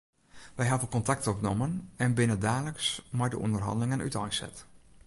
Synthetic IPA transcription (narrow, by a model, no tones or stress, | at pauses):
ʋɛjɦɑdəlˠkɔntak̚tɔpnomənɛnbɪnədaːləksmajdə̰ʔɔ̰ndərɦɑ̰ndəlɪŋəny̰tɔjsɛ̰t